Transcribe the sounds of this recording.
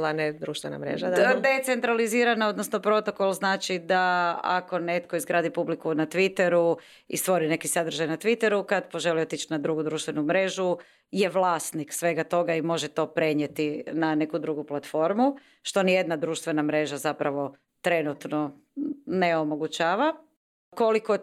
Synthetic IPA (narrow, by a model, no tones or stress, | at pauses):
laned̪ɾuːʃt̪ʋena̰mɾḛʒad̪et̪se̞nt̪ɾaliziːɾano̞d̪nosno̞pɾo̞t̪o̞ko̞lˠznaːt͡ʃid̪aa̰ko̞ne̞t̪koizɡɾaːd̪ipublikunat̪ʋit̪eɾu | ḭst̪ʋo̞ɾine̞kisad̪ɾ̩ʒajnat̪ʋit̪eɾukad̪po̞ʒeliot̪it͡ʃnad̪ɾuɡud̪ɾuːʃt̪ʋe̞numɾe̞ʒu | je̞ʋlˠaːst̪niksʋe̞ɡat̪o̞ɡaimo̞ʒet̪o̞pɾe̞ɲet̪inane̞kud̪ɾuɡuplat̪fo̞ɾmu | ʃt̪o̞nije̞d̪nad̪ɾuːʃt̪ʋe̞namɾe̞ʒazapɾaʋo̞ | t̪ɾe̞nut̪no̞ | neomo̞ɡut͡ɕaːʋa | ko̞liko